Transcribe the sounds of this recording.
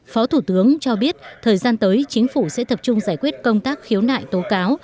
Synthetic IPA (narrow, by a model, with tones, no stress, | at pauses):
fɔ˨˦t̪ʰu˧˩t̪ɨ˨˦əŋt͡ɕɔ˧ɓi˦˥ət̚t̪ʰəː˨˩jzaː˧nt̪əː˨˦jt͡ɕï˨˦ŋ̟fu˧˩sɛ̰˧˥t̪ə˨˩p̚t͡ɕʊ˧ŋ͡mzaː˧˩jkwi˦˥ət̚kə˧wŋ͡mt̪aː˦˥k̚xi˨˦əwna̰ː˧˨jt̪o˨˦kaː˨˦w